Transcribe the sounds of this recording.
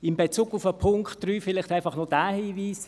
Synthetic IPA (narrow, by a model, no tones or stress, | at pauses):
ɪmbet͡suːɡʊfəpʰʊŋkχtːɾyːfɪlɪχtæɪfɑχnɔd̥æːhiːviːs